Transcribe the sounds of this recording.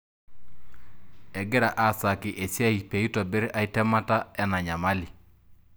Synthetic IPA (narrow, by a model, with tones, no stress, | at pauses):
ɛ˨ɡɪ˦ɾa˨ʔa˨sa˨kɪ˨ʔe˨si˦a˦i˨pe˨i˦tɔ˨bɪ˦ɾʔa˨i˦tɛ˦ma˦ta˦ɛ˦na˨ɲa˨ma˦li˨